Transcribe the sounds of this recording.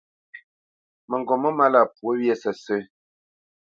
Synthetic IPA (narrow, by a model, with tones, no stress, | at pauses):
mə˨ŋ˨ɡɔ˨mə˦ma˦la˦˨pwo˦wjɛ˦sə˨sə˦